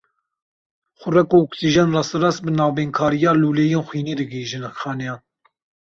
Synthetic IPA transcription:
xʷʊrɛkoɔksiʒɑnrɑsɨrɑsbɨnɑːbeːnkʰɑːɾijɑːluːleːjeːnxʷwiːneːd̪ɨɡiʒɨnkxɑːnɛjɑːn

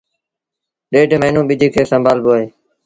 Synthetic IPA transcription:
ɗeːɖməːnũːɓid͡ʒ̪ʱiːkʰeːsəmbʱaːlboːɦeː

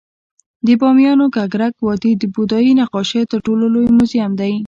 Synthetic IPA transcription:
d̪əbɑmjɑnoɡaɡɾakwɑt̪id̪əbud̪ɑjinaqɑʃet̪əɾʈololojmuzijamd̪aj

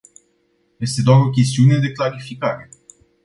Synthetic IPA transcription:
je̞st̪e̞d̪oaɾo̞k̬ʲe̞st̪iune̞d̪e̞klaɾifikaɾe̞

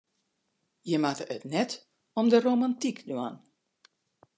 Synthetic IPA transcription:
jəmatəətnɛt | ɔmdərowmantikdwan

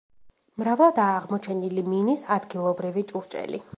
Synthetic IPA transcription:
mɾavlˠad̪aːʁmɔt͡ʃʰɛniliminisad̪ɡilˠɔbɾivit͡ʃʼuɾt͡ʃʼɛ̰lḭ

